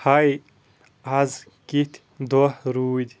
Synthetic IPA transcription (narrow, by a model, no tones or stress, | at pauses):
hɐj | ɐz | kit̪ʲ | d̪ohɾuːd̪ʲ